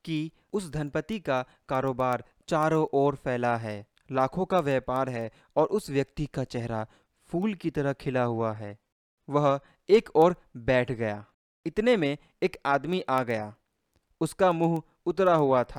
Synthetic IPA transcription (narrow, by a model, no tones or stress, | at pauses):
ki | ʊsd̪ʱɐnpət̪ika | kaːɾoːbaːɾ | t͡ʃaːɾõʔɔːɾpʰɛːlaɦɛː | laːkʰõkaʋjɛːpaːɾɦɛ | ɔːɾʔʊsʋjɐk̚t̪ikat͡ʃɛɦɾa | pʰuːlkit̪ɐɾəɦkʰɪlaɦʊaɦɛː | ʋɐɦ | eːkɔːɾbɛːʈʰɡɐjaː | ɪt̪nemẽ | eːkaːd̪miʔaːɡɐjaː | ʊskamuːɦ | ʊt̪ɾaɦʊat̪ʰa